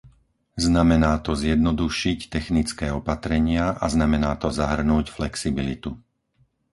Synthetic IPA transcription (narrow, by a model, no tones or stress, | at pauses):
znamɛnaːt̪ɔzjɛd̪̚nɔd̪uʃict̪ɛxnit͡skɛːɔpat̪ɾɛɲɪaʔa̰znamɛnaːt̪ɔzaɦr̩nuːcflɛksibilḭt̪u